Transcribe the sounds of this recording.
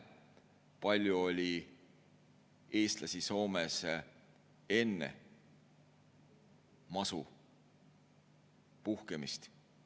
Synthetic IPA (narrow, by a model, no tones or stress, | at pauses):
pɑlʲjuo̞lʲi | e̞ːst̪lɑsʲiso̞ːmes | e̞nːḛ | mɑsu | puhkemist̪